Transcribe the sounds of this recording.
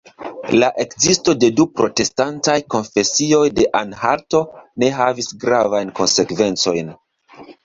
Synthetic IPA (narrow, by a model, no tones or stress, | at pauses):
laʔe̞kzisto̞de̞dupɾo̞te̞stantajko̞nfe̞sio̞jde̞ʔanhaɾto̞ne̞ɦavisɡɾavajnko̞nse̞kve̞nt͡so̞jn